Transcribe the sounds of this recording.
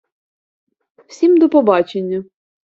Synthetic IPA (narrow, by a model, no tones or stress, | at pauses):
wsʲimd̪ɔpɔbɑt͡ʃenʲːɐ